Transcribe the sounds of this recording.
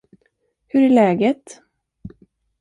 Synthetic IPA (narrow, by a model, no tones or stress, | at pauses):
hɵɾæɭɛːɡət̪